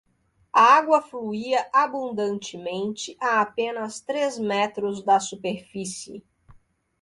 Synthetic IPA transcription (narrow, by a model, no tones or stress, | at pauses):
ɐaɡwɐfluiɐʔabũnd̪ɐ̃nt͡ʃɪmẽnt͡ʃɪʔaːpẽnɐst̪ɾezmɛt̪ɾʊzd̪ɐsupeɾfisɪ